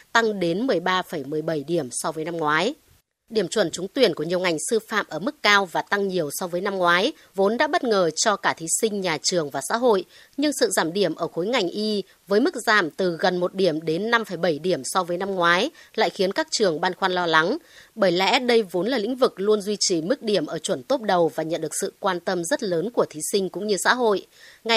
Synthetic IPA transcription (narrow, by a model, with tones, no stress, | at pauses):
t̪a˧ŋɗe˨˦nmɨ˨˩əjɓaː˧fə˧˩jmɨ˨˩əjɓə˧˩jɗi˧˩əmsɔ˧vəː˨˦jna˧mŋwaː˨˦j | ɗi˧˩əmt͡ɕwə˧˩nt͡ɕʊ˨˦ŋ͡mt̪wi˨˩ənku˧˩əɲi˨˩ə˩ŋa˨˩jŋ̟sɨ˧fa̰ː˧˨mʔəː˧˩mɨ˦˥kːaː˧wvaː˨˩t̪a˧ŋɲi˨˩əwsɔ˧vəː˨˦jna˧mŋwaː˨˦j | vo˨˦nɗa̰ː˧˥ɓə˦˥t̚ŋəː˨˩t͡ɕɔ˧kaː˧˩t̪ʰi˨˦sï˧ŋ̟ɲaː˨˩t͡ɕɨ˨˩əŋvaː˨˩sa̰ː˧˥ɦo̰˧˨j | ɲɨ˧ŋsɨ̰˧˨zaː˧˩mɗi˧˩əmʔəː˧˩xo˨˦jŋa˨˩jŋ̟ʔi˧ | vəː˨˦jmɨ˦˥k̚zaː˧˩mt̪ɨ˨˩ɣə˨˩nmo˨˩t̚ɗi˧˩əmɗe˨˦nːa˧mfəː˧˩jɓə˧˩jɗi˧˩əmsɔ˧vəː˨˦jna˧mŋwaː˨˦jla̰ː˧˨jxi˨˦ənkaː˦˥k̚t͡ɕɨ˨˩əŋɓaː˧nxwaː˧nlɔ˧la˨˦ŋɓəː˧˩jlɛ̰˧˥ɗə˧jvo˨˦nlaː˨˩lḭ̈˧˥ŋ̟vɨ˨˩k̚lu˧ənzwi˧t͡ɕi˨˩mɨ˦˥k̚ɗi˧˩əmʔəː˧˩t͡ɕwə˧˩nt̪o˦˥p̚ɗə˨˩wvaː˨˩ɲə̰˧˨nɗɨ˨˩ək̚sɨ̰˧˨kwaː˧nt̪ə˧mzə˦˥t̚ləː˨˦nku˧˩ət̪ʰi˨˦sï˧ŋ̟kʊ̰˧˥ŋ͡mɲɨ˧sa̰ː˧˥ɦo̰˧˨j | ŋa˨˩